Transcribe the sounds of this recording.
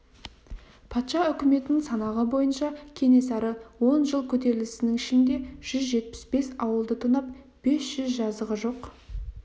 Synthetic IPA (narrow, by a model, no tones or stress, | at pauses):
pʰɑt̪ʃɑʏkʲɪme̞t̪ɪnɪŋsɑnɑʁəbo̞jənʃɑkʲʰe̞ne̞sɑɾəwo̞nʒəlˠkʲʰɵt̪̬e̞ɾɪlɪsɪnɪŋɪʃɪnd̪e̞ʒ̥ʏzʒe̞t̪̚pɪ̥sbe̞sɑwəlˠd̪ət̪ʰʊnɑp̚ | b̥e̞sʒ̥ʏzʒɑzd̪əʁəʒo̞q